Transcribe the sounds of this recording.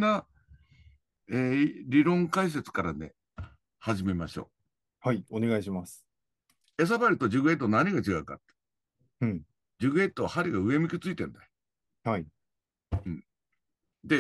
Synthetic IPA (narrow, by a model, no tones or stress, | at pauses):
na | eɾʲiɾõ̞ŋkais̬e̞t͡sɨ̥kaɾanḛ | haʑime̞maɕo̞̰ː | haione̞ɡaiɕimasɨ̥ | e̞s̬abaɾʲɯt̪o̞d͡ʑɨɡɯ̟e̞t̪ːonaɲ̟iɡat͡ɕiɡaɯ̟ka̰t̪ːe̥ | ɯ̃ɴ | d͡ʑɨɡɯ̟e̞t̪ːoahaɾʲiɡaɯ̟e̞mʲikʲit͡sɨit̪ẽ̞nd̪ajo | hai | ɯ̃ɴ | d̪e̞